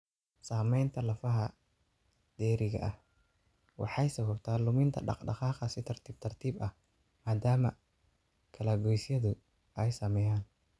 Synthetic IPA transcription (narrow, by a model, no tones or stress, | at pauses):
saːmɛjnt̪ʰɐlɐfɐɦɐ | d̪̥ɛːɾɪɣɐ̰ʔɐh | wɑ̰ħɑjsɐβɐbt̪ʰaːlʊmɪnt̪ʰɐ̰ɖɑ̰qɖɑ̰qɑːqɐsɪt̪ʰɐrt̪ʰiːb̚t̪ʰɐrt̪ʰiːbɐh | maːd̪aːmɐ | kʰɐlaːɡɔjsjɐðʊ | ʔɛjsɐmɛjaːn